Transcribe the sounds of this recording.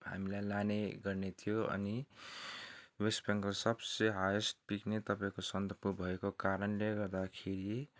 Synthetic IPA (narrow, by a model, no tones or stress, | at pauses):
ha̰milajlaneɡʌrnet̪ʰijoʌ̰ni | wespeŋkʌsʌbseɦajosʈpiknet̪ʌpaĩkosʌnt̪ʌpubʱʌekokaɾʌnleɡʌrd̪akʰeɾi